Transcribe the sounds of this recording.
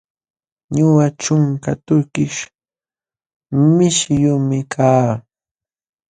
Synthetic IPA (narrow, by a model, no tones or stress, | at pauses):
ɲʊwaʈ͡ʂʊŋkat̪ʊɾkɪʃ | mɪʃjʊmɪkʰaː